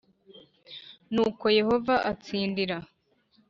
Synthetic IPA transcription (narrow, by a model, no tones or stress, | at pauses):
nuːko̞je̞ho̞vaʔat͡siːndiɾa